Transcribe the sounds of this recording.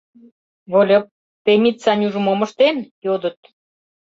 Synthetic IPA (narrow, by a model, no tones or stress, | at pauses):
βolʲŏp̚ | t̪emʲit̪t͡sɑnʲuʒəmomɤ̆ʃt̪enjod̪ə̆t̪̚